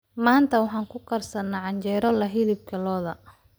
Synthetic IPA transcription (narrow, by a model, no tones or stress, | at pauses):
maːnt̪ʰɐwɑħɑːŋkʰʊkʰɐrsɐnːaʕɑɲt͡ʃɛːɾɔlɐɦɪlɪb̚kʰɐlɔːðɐ